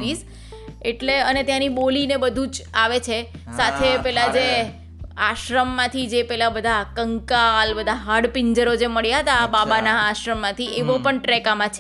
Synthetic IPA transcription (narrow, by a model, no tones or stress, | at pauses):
is | eʈleənet̪jãnibolinebəd̪ʱũd͡ʒaʋet͡ʃʰesat̪ʰepɛlad͡ʒe | aʃɾəmːãt̪ʰid͡ʒepɛlabəd̪ʱakəŋkaːlbəd̪ʱaɦaɽpɪɲd͡ʒəɾod͡ʒeməɭjaɦət̪aːbabanaːʃɾəmːãt̪ʰieʋopəɳʈɾɛkamãt͡ʃʰ